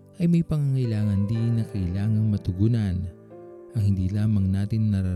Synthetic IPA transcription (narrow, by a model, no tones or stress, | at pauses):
ʔɐjmɐjpɐŋaŋɐʔɪlaːŋɐnd̪inɐkɐʔɪlaːŋɐŋmɐt̪ʊɡuːnɐn | ʔɐŋhɪnd̪iːlaːmɐŋnaːt̪ɪnːɐɾɐ